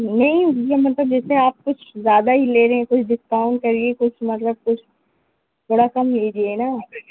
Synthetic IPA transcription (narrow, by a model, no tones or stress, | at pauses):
nɐɦĩijamɐt̪ləb̚d͡ʒɛːseaːp̚kʊt͡ʃʰzjaːd̪aɦileːɾɐɦɛ̃kʊt͡ʃʰɖɪskaːʊ̃ɳ̚kɐɾiekʊt͡ʃʰmɐt̪ləb̚kʊt͡ʃʰ | tɐɽakɐmɦeːd͡ʒiena